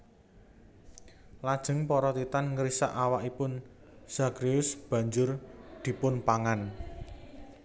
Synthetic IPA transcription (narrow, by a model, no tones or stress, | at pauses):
lad̥ʒ̥ə̤ŋpɔɾɔt̪it̪anŋəɾisa̰ʔawaʔipʊn | z̥akɾiʊsb̥ä̤ɲd͡ʒʊrd̪̥i̤pʊnpaŋan